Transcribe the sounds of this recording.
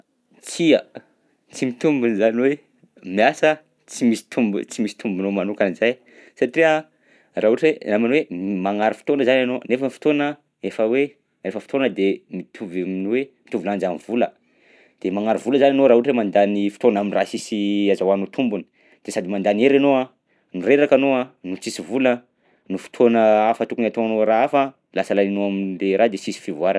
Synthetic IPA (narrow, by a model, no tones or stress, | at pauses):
t͡siə | t͡simit̪umbunizaniwe | miasə | t͡simisi̥t̪umbut͡simisi̥t̪umbunomanukanizaj | saʈ͡ʂiə | raɦuʈ͡ʂweaminwemaŋaɾufi̥t̪onəzananonefəmifi̥t̪onə | efəwe | refəfi̥t̪onəd̪emit̪ʰuvaminwemit̪uviland͡ʒamivulə | d̪̥emaŋaɾuvuləzananoɾaɦuʈ͡ʂwemand̪anifi̥t̪onaminrasisiazawanot̪ʰumbuni̥ | d̪̥esad̪imand̪aneɾanoa | nuɾeɾakanoanut͡sisivulə | nufi̥t̪ʰonəafət̪ukunat̪oanoɾaafə | lasəlaninoaminleɾʔad̪esisi̥fivuaɾa